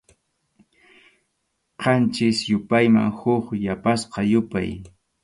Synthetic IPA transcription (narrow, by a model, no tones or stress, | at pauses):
qɑnt͡ʃɪsjʊpajma̰ŋhʊχjapasqɑjʊpa̰j